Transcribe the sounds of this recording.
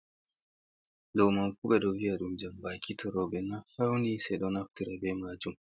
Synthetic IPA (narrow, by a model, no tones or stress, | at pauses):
ɗɔwmamfuɓɛɗɔviaɗumd͡ʒambakitʰɔɾɔɓɛnafawndisɛjɗɔnaftiɾɛbɛmad͡ʒum